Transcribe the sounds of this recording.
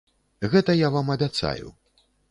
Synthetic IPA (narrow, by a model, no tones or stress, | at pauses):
ɣɛt̪ɐjavamɐbʲat̪sa̰jṵ